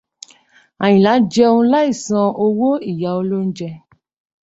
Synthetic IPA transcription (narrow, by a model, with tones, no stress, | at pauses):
a˨j̃ĩ˨la˨˦d͡ʒɛ˧o˧ũ˧la˦i˦˨sã˧o˧wo˦i˦˨ja˨˦o˧lo˦n̩˦d͡ʒɛ˧